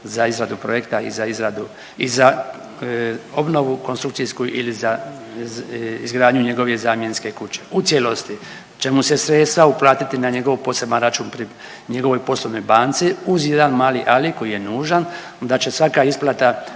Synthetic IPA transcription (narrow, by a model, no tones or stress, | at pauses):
zaizɾad̪upɾo̞jekt̪aḭzaizɾad̪u | iza | o̞bno̞ʋukonst̪ɾukt̪sijskuʔiliza | izɡɾaːd̪ɲuɲe̞ɡo̞ʋezaːmje̞nske̞kut͡ɕe̞ut̪sjelo̞st̪i | t͡ʃe̞muse̞sɾe̞t̪st̪ʋauplˠaːt̪it̪inaɲe̞ɡo̞ʋpo̞sebnanɾat͡ʃuːnpɾi | ɲe̞ɡo̞ʋo̞jpo̞slˠoʋno̞jbaːnt̪siuzje̞d̪anmaːliʔaliko̞jijenuːʒan | d̪at͡ɕe̞sʋakaisplˠat̪a